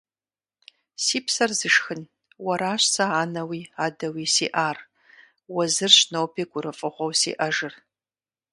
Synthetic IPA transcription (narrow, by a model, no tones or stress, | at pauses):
siːpsɐrzɨʂxɨn | wɐɾaːɕsɐaːnɐwiːaːdɐwiːsḭːʔaːr | wɐzɨrɕnowpʰiːɡ̥ʷʊɾɨfʼɨʁʷɔwsḭːʔɐʒɨr